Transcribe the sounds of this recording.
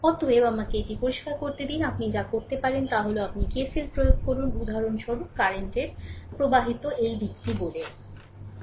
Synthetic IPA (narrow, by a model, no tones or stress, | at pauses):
kɔt̪oebamakeeʈipoɾiʃkaɾkoɾt̪ed̪inapnid͡ʑakoɾt̪epaɾent̪aɦoleoapnikesilpɾojoɡ̚koɾunud̪ʱaɾonʃɔɾukːaɾeɳʈeɾpɾobaɦit̪oʔejbʱikʈibole